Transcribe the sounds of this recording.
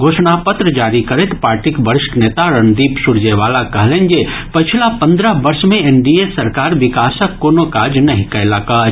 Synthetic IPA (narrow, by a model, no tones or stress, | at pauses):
ɡʱoːʃnapət̪ɾəd͡ʒaːɾikəɾet̪paːɾʈikbəɾɪʃʈneːt̪aɾənd̪iːpsuɾd͡ʒeʋaːlakɐɦlend͡ʒe | pət͡ʃʰlapə̃nd̪ɾəbɐɾsmẽenɖiesɐɾkaːɾʋɪkaːsəkːoːnokaːd͡ʒnɐɦĩkɐelaka